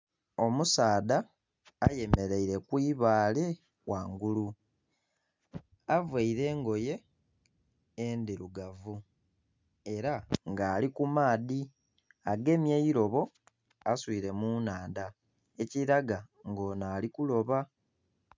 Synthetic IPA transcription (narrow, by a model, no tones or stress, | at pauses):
o̞musaːðaː | je̞me̞ɾe̞iɾe̞kwiːβaːle̞ | waːŋɡulu | avweiɾe̞ːŋɡo̞je̞ | nd̪iɾuɡavu | e̞ɾaŋɡaːlikumaːði | aɡe̞mjejiɾo̞βo̞ | aswiːɾe̞munaːnda | e̞ciɾaɡaŋɡo̞ːnaːlikulo̞βa